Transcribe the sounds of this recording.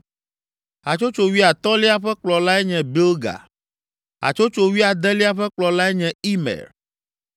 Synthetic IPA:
a̰˨t͡ʃo˦t͡ʃo˦wi˦a˨t̪ɔ˦li˦a˦ɸɛ˦k͡plɔ˨la˦ɛ˦ɲɛ̃˨bi˦lɡa̰˨ | a̰˨t͡ʃo˦t͡ʃo˦wi˦a˨d̪ɛ˦li˦a˦ɸɛ˦k͡plɔ˨la˦ɛ˦ɲɛ̃˨i˦mɛ̰˨ɾ

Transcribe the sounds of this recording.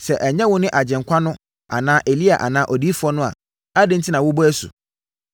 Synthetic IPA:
sɛ˨ʔɛ˨ɲɛ̃˦wʊ̃˦nɪ̃˦ʔa˨d͡ʑɛ̃˨ŋ̩˨kʷʰa˦nʊ̃˦ | a̰˨nãː˦ʔe˨li˦a̰˨ʔa̰˨nãː˦ʔɔ˨diː˦fʊ˦ɔ˦nʊ̃˦a̰˨ | a˦dɪ̃˦n̩˦tʰɪ˦nã˨wʊ˦bɔ˦æ˦sṵ˨

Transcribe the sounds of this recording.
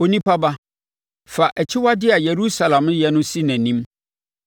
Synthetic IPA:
o˦nĩ˦pʰa˦ba˦ | fa˨ʔæ˨t͡ɕʰɪ˦wa˦dɪ˦a˨je˨ɾu˦sa˨lã˨m˦jɛ˦nʊ̃˦si˦næ̃˨nĩ˦m

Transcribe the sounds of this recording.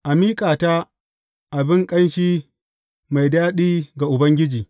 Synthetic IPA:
ʔa˨miː˦kʼaː˨ta˦ | ʔa˨bɪ˦ŋkʼɐ˦nʃiː˦ | ma˨jdaː˦ɗiː˦ɡa˨ʔʊ˨bɐ˦ŋɡʲɪ˦d͡ʒiː˨

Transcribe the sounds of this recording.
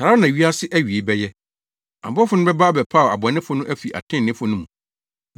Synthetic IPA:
sa˨a˦nã˨ɥi˦a˦sɪ˦ʔæ˦ɥi˨e˨bɛ˦jɛ˦ | a̰˨bɔ˦fʊ˦nʊ̃˦bɛ˦ba˦bɛ˨pʰa˦˨a̰˨bɔ˨˦nɪ̃˦fʊ̃˦nʊ̃˦ʔæ˦fi˨ʔa̰˨tʰɪ̃˦˨nːɪ̃˦fʊ˦nʊ̃˦mũ˨

